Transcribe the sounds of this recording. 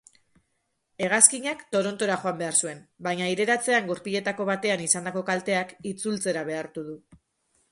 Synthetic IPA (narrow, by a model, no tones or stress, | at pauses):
e̞ɣ̞askiɲakt̪o̞ɾo̞nt̪o̞ɾaχo̞ambe̞aɾsue̞mbajɲaiɾe̞ɾat͡se̞aŋɡuɾpiʎe̞t̪ako̞βat̪e̞anisand̪ako̞kalt̪e̞akit͡sult͡se̞ɾaβe̞aɾt̪uðu